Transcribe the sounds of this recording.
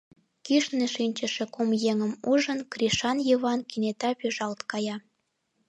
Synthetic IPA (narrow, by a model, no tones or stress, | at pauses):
kiʃneʃinʲt͡ɕə̆ʃĕkomjeŋəmuʒənkriʃɑnjiβɑnkinet̪ɑpyʒɑlt̪kɑjɑ